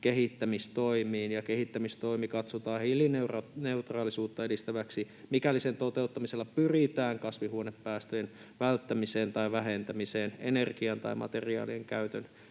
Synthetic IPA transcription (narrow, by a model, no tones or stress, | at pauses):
keɦit̪ːæmist̪o̞imiːnjɑkeɦit̪ːæmist̪o̞imikɑt̪sot̪ɑːhilinerneut̪rɑːlisuːt̪ːɑedist̪æʋæksi | mikælːisent̪ot̪eut̪ːɑmiselːɑpyrit̪æːŋkɑsʋihuonepːæːst̪øjen | ʋælt̪ːæmiseːnt̪ɑiʋæɦent̪æmiseːnḛnerɡiɑnt̪ɑ̰imɑ̰t̪eriɑ̰ːlieŋkæyt̪øn